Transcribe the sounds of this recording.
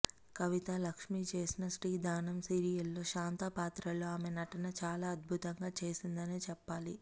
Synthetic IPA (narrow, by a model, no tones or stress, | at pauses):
kɐʋit̪ɐlɐkʂmit͡ʃe̞ːsinɐsʈiːd̪aːnɐmsiːɾijɐlːo̞ːʃaːnt̪ɐpaːt̪ɾɐlo̞ːaːmenɐʈɐnɐt͡ʃaːlaːɐd̪̚bʱut̪ɐŋɡaːt͡ʃe̞ːsind̪ɐneːt͡ʃɛpːaːli